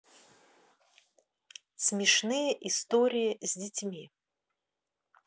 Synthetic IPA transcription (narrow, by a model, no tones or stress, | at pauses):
sʲmʲɪʂnɨjəʔist̪oɾʲɪjizʲdʲɪtʲmʲi